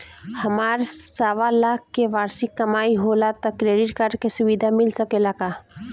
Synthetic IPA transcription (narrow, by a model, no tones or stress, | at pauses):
hɐmaːɾsaːʋalaːkkeʋaːɾsikːɐmaːiɦoːlat̪ɐkːɾeːɖɪʈkaɾɖkesʊʋid̪ʱamɪlsəkelakaː